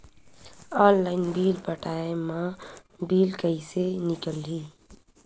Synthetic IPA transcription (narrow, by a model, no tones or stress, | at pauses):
ɔːnlaːɪnbiːlpəʈaːemã | biːlkəisenɪkəlːiː